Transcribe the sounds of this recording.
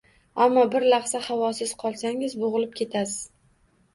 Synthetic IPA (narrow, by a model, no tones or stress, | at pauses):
amːɒbɪɾlɑχsahavɒsɪz̥qʰɒlˠsaŋɪzboʁɨlɪp̚kʲʰe̞t̪ʰasɪz̥